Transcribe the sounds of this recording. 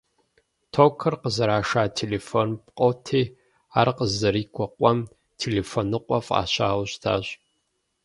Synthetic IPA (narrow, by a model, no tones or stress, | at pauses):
tʰoːkʰɨrqəzɐɾaːʂaːtʰeːleːfonpqʼowtʰeː | aːrqəzɐɾiːkʷʰʼɔqʷʼɔm | tʰeːleːfonɨqʷʼɔfʼa̰ːɕa̰ːwɕtʰa̰ːɕʼ